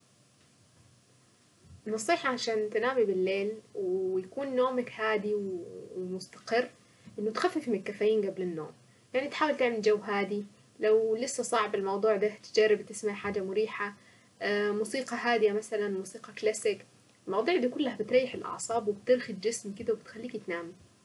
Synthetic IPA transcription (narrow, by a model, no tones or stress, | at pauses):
nːɑsˤiːħɑʕaʃaːnt̪ɪnaːmibɪlːeːlwjakuːnːoːmakhaːd̪iwmʊst̪ḁqɪrː | ʔɪnːʊt̪xafːɪfmɪnɪlkːafaːjiːnɡablɪnːo̰ːm | jaʕnit̪ħaːwalt̪ɪʕmɪld͡ʒawːɦaːd̪i | lawlɪsːasˤɑʕbɪlmɑwd̪ˤuːʕd̪at̪ɪd͡ʒarːɪbt̪ɪsmaʕħaːd͡ʒamʊɾiːħa | muːsiːqɑɦaːd̪ɪjamasalanmuːsiːqɑklasɪk | lmɑwd̪ˤuːʕd̪aːkʊlːahabɪt̪ɾˤɑːjːɪħɪlʔɑ̰ʕsˤɑːbwɪbt̪ɪɾxɪd̪d͡ʒɪsmkɪd̪awbɪt̪xalːiːkt̪naːmi